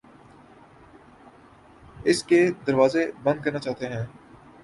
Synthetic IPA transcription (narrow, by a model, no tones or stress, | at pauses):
ɪsked̪ɐɾʋaːzebɐ̃nd̪̚kɐɾnat͡ʃaːt̪eɦɛ̃ː